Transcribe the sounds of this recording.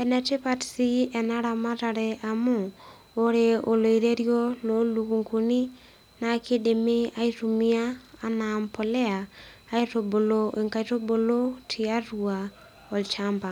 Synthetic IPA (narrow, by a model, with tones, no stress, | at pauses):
ɛ˨nɛ˨te˦patsi˦ɛ˨na˦ɾa˨ma˦ta˨ɾeʔa˨mo˦ | o˦ɾeo˨lo˨iɾe˦ɾjɔ˦lo˦lu˨ku˨ŋku˨ni˦ | na˨kʰe˦de˨me˦a˦i˦tu˨mi˦aː˦nampo˨lɛ˦aː˨˦ | i˦to˨bo˨lo˦ʔeŋka˨ito˦bo˨lo˦tʰi˨a˦ɾua˨ | ɔ˨lt͡ʃa˦mba˨